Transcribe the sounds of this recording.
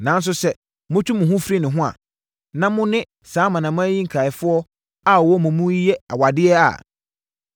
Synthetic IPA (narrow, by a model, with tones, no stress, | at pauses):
nã˨n˦s̬ʊ˦sɛ˦ | mʊ̃˦t͡ɕʰᶣũ˦mʊ̃˨ɦʊ̃˦fɾi˦nɪ̃˨ɦʊ̃˦a̰˨ | nã˦mʊ̃˦nɪ̃˦ | saː˨˦mã˨nã˨mʊ̃˦æ˦ji˦ŋ̩˨kʰa˨ɪ˨fʊ˦ɔ˦ | a˦˨wɔ˦mʊ̃˨mũ˦ji˦jɛ˦a̰˨wa˨dɪ˦ɛ˦a̰˨